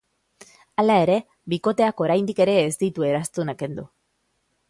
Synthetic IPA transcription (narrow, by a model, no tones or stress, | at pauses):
alae̞ɾe̞ | biko̞t̪e̞ako̞ɾajnd̪ike̞ɾe̞ːzd̪it̪ue̞ɾast̪unake̞nd̪ṵ